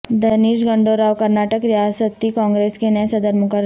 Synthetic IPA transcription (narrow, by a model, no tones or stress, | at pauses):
d̪ɐniːʃ̬ɡɐ̃ɳɖoɾaːʋkɐɾnaːʈəkɾijaːsət̪ːikɔ̃ːŋɡɾeːskenɐjsɐd̪əɾmʊkəɾ